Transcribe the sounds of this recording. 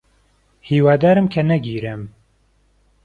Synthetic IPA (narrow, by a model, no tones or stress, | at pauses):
hiːwaːd̪aːɾɨmkʰɐnɛɡiːɾɨm